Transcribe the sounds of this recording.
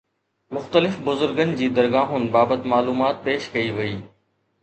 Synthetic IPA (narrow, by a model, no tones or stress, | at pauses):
mʊxt̪əlɪfbʊzʊɾɡənɪ̆d͡ʑiːd̪ɐɾɡaːɦʊnɪ̆baːbət̪maːluːmaːt̪̚peːʃkɐiʋɐiː